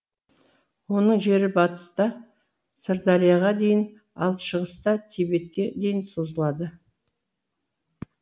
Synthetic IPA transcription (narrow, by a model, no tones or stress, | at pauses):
wo̞nəɴʒe̞ɾɪbɑt̪ə̥st̪ɑ | səɾd̪ɑɾijaʁɑd̪e̞jɪn | ɑ̰lˠʃəʁəst̪ɑt̪ʰebe̞t̪̚kʲed̪e̞jɪnso̞zəlˠɑd̪ə